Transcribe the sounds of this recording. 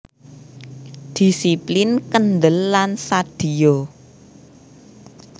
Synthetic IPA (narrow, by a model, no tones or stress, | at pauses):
d̪̥i̤siplɪnkənd̪əlːansad̪̥i̤o